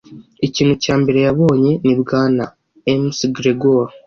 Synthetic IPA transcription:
iciːn̤̥hucaːmbe̞ɾe̞jaβo̞ːɲe̞nibɡaːna̰ | emsɡɾeɡoɾ

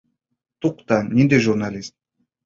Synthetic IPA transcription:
t̪uqt̪anʲind̪eʒurnalʲist̪̚

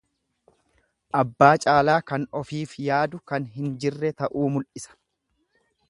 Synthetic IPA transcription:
ʔɐbːaːt͡ʃʼaːlaːkɐnɔfiːfjaːd̪ʊkɐnɦɪnd͡ʒɪrːɛt̪ɐʔuːmʊlʔɪsɐ̥

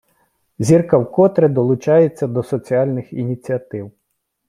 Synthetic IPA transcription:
zʲirkɐwkɔt̪ɾed̪ɔlˠʊt͡ʃɑjet͡sʲːɐd̪ɔsɔt͡sʲiɑlʲnɪxinʲit͡sʲiɐt̪ɪw

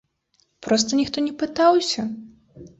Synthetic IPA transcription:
pɾɔst̪ɐnʲixt̪ɔnʲɛpɨt̪awsʲɐ

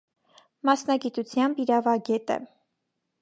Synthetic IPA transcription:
mɑsnɑɡit̪ut͡sʰjɑmbiɾɑvɑɡɛt̪ə̰

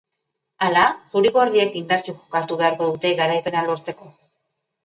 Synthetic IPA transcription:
alasuɾiɣo̞ɾiekind̪aɾt͡ʃeʝokat̪uβe̞aɾko̞ðut̪e̞ɣaɾajpe̞nalo̞ɾt͡se̞ko̞

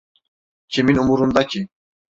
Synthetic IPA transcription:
kʲʰeminumuɾund̪ɑkʰʲi

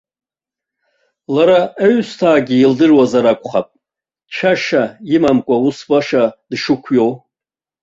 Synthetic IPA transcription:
laɾaeɥstʰaːɡʲɪildɨrwazaɾakʷʼχapʼ | t͡ʃʰaʂaimamkʷʼausbaʂadʂɨkʷʰjow

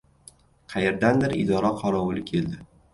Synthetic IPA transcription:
qʰɑjeɾd̪and̪ɪɾɪ̰d̪ɒɾaqʰɒɾɒwʊlɪkʲʰe̞ld̪ɪ

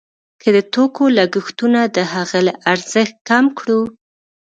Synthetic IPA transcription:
kʰəd̪ət̪okolaɡəxt̪unad̪əhaɣalaʔaɾz̥əxt̪̚kamkɽu

